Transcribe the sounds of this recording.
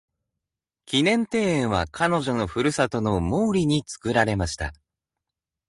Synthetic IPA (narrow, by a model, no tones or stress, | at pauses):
kʲinẽ̞nt̪e̞ːẽɰ̃βakʰano̞ʑo̞no̞ɸɯ̟ɾɯ̟sat̪o̞no̞moːɾʲiɲ̟it͡sɨ̥kɯ̟ɾaɾe̞maɕi̥t̪a̰